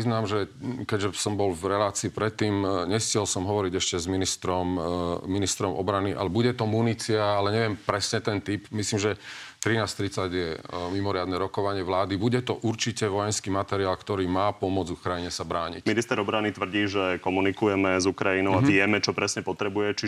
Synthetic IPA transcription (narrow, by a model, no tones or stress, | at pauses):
iznaːmʒɛkɛɟʒɛsɔmbɔlvɾɛlaːt͡siːpɾɛt̪ːiːmɲɛxt͡sɪɛlsɔmɦɔʋɔɾiɟɛʃcɛzminist̪ɾɔmminist̪ɾɔmɔ̰bɾaniʔa̰lɛbuɟɛt̪ɔmunit͡siaalɛɲɛʋɛmpɾɛsɲɛt̪ɛnt̪ipmisliːmʒɛt̪ɾinaːst̪ɾit͡saɟjɛmimɔɾɪad̪nɛɾɔkɔʋaɲɪɛʋlaːd̪ibuɟɛt̪ɔʔuɾt͡ʃicɛʋɔjɛnskiːmat̪ɛɾiaːlkt̪ɔɾiːmaːpɔmʊɔd͡zukɾajiɲɛsabɾaːɲḭcminist̪ɛɾɔbɾanit̪ʋr̩ɟiːʒɛkɔmunikujɛmɛzukɾajinɔʊaʋɪɛmɛt͡ʃɔpɾɛsɲɛpɔt̪ɾɛbujɛt͡ʃi